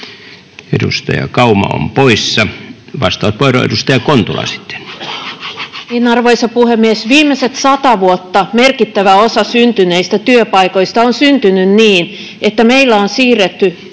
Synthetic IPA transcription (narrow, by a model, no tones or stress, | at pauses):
edṵst̪ɑ̰jɑ̰kɑumɑ̰o̰mpoisːɑʋɑst̪ˑɑʋɑt̪poiro̰ḛdust̪ɑjɑkont̪ulɑ̰si̥t̪ːe̥n | enɑrʋoisɑpuhemːiesʋiːmːeset̪sɑt̪ɑʋuot̪ːɑmerkit̪ːæʋæosɑsynt̪yneist̪æt̪yøpɑikoist̪ɑonsynt̪ynynniːn | et̪ːæmeilːæonsiːret̪ːy